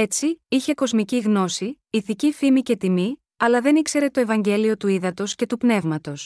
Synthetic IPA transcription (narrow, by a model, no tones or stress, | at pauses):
e̞t͡siiçe̞ko̞zmiciɣno̞si | iθicifimice̞t̪imi | ɐlɐðe̞nikse̞ɾe̞t̪o̞e̞vɐɲɟe̞lio̞t̪uiðɐt̪o̞sce̞t̪upne̞vmɐt̪o̞s